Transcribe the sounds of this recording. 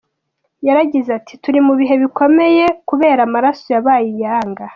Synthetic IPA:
jaɾaɟizatʰi̥tuɾimuβiɦe̞βiko̞me̞jekuβe̞ːɾamaɾasojaβaːjijaːŋɡa

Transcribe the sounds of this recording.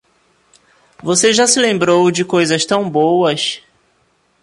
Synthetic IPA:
voseʒasɪlẽmbɾowd͡ʒɪkojzɐʃt̪ɐ̃w̃bowɐs

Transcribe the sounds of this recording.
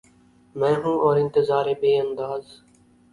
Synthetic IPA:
mɛ̃ːɦũːʔɔːɾɪnt̪əzaːɾeːbeːənd̪aːz

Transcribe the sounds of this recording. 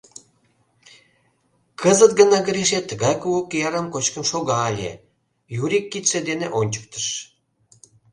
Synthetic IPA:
kʰəzət̪ɡənɑɡəɾeʃ̬et̪ːəɣɑjkuokːejɑɾəmkot͡ɕkəmʃoɣɑːlʲḛ | juɾikːit̪ʃĕd̪eneʔonʲt͡ɕə̥k̚t̪ə̥ʃ

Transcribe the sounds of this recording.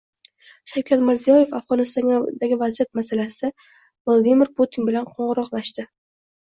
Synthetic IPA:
ʃawkʲʰat̪mɪɾzijɒje̞fafʁɒnɪst̪ɒŋd̪aɡʲɪvazijat̪masalasɪd̪̥a | vlˠad̪imɪɾpʰot̪ʰinbɪlanqʰɒɴʁɨɾɒqlˠaʃt̪ɪ

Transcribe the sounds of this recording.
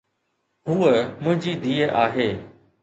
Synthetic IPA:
ɦuːəmʊ̃ɦɪ̃ɲd͡ʑiːd̪iːəʔaːɦeː

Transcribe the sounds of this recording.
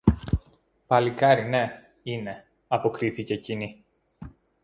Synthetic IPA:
pɐlikɐɾine̞ | ine̞ | ɐpo̞kɾiθice̞cini

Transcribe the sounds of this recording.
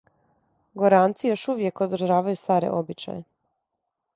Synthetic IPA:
ɡoɾaːnt̪sijo̞ʃuʋje̞kod̪ɾ̩ʒaːʋajust̪aːɾḛʔobit͡ʃa̰je

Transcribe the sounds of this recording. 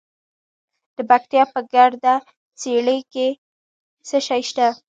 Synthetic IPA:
d̪̥əbakt̪jɑpəɡaɽd̪a | t͡seɽəke | səʃɑjʃt̪a

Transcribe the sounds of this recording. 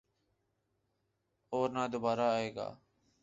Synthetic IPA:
oːɾnãːd̪obaːɾaːeːɡa̰ː

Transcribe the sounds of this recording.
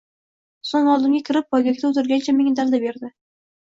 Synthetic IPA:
soŋɒlˠd̪ɪmɡʲakʲʰɪɾɪp̚ːɒjɡʲakʲt̪aʊt̪ɪɾɡʲant͡ʃʰameŋʲad̪ald̪abe̞ɾd̪ɪ

